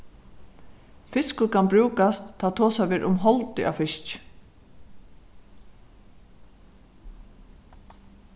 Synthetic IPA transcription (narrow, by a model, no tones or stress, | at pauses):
fɪskʊɾkʰanbɾʉːkast̪t̪ʰːaːt̪ʰoːsaʋeːɾʔʊmɦɔlt̪ɪʔa̰wfɪst͡ʃ